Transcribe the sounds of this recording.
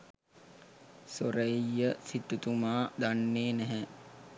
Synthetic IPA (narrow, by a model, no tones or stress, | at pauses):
soɾəjːəsit̪ut̪umaːd̪anːeːnæɦɛ